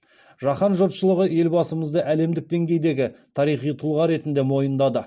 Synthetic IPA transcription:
ʒɑχɑnʒot̪ʃəlˠəʁəje̞lbɑsəməzd̪əʔæle̞md̪ɪk̚d̪e̞ŋɡʲe̞jd̪e̞ɡʲɪt̪ʰɑɾijχijt̪ʰulˠʁɑɾe̞t̪ɪnd̪e̞mo̞jənd̪ɑd̪ə

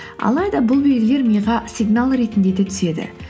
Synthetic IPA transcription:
ɑ̰lˠɑjd̪ɑbʊlˠbelle̞ɾmijʁɑsʲiɡnalˠɾe̞t̪ɪnd̪e̞d̪e̞t̪ʰʏ̥se̞d̪ɪ̰

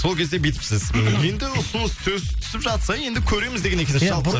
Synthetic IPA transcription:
so̞lˠkʲʰe̞zd̪e̞bet̪ɪ̥psɪz̥je̞nd̪ɪʊsʊnəst̪ʰɵzɪt̪ʰʏ̥sɪpʒɑt̪sɑje̞nd̪ɪkʲʰɵɾe̞jmɪzd̪eɡʲeekʰʲeeʃɑlˠ

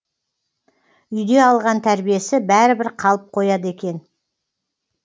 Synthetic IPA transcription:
ʏjd̪e̞ɑlˠʁɑnt̪ʰæɾbije̞sɪbæɾɪbɪɾqʰɑlˠəp̚qʰo̞jɑd̪əe̞kʲe̞n

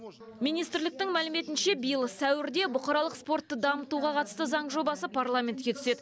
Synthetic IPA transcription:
mijnijst̪ɾlɪk̚t̪ɪŋmælɪme̞t̪ɪnʃe̞bijəlˠəsæwɪɾd̪e̞bʊqɑɾɑlˠəqspo̞rt̪ːəd̪ɑmət̪uʁɑqʰɑt̪ə̥st̪əzɑɴʒo̞bɑsəpʰarlˠamʲe̞nt̪̚kʲe̞t̪ʰʏ̥se̞d̪ɪ

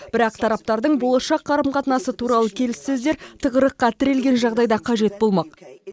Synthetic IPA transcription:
b̥ɪɾɑqt̪ʰɑɾɑp̚t̪ɑɾd̪əɴbo̞lˠɑʃɑqːɑɾəmqʰɑt̪nɑsət̪ʰuɾɑlˠəkʲʰe̞lɪsːɵzd̪eɾt̪ʰəʁəɾəqːɑt̪ʰɪɾe̞lɡʲe̞nʒɑʁd̪ɑjd̪ɑqʰɑʒe̞t̪̚bo̞lˠmɑq

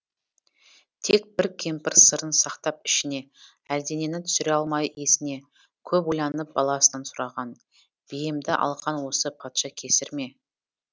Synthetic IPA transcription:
t̪ʰe̞k̚bɪɾkʲʰe̞mpɪɾsəɾənsɑqt̪ɑp̚ɪʃɪne̞ | æld̪e̞ne̞nɪt̪ʰʏ̥sɪɾe̞ɑlˠmɑje̞sɪne̞ | kʲʰɵpojˠɑnəp̚bɑlˠɑsənɑnsʊɾɑʁɑn | b̥ijɪmd̪ɪʔɑ̰lˠqʰɑnwo̞səpʰɑt̪ʃɑkʲʰe̞sɪɾme̞

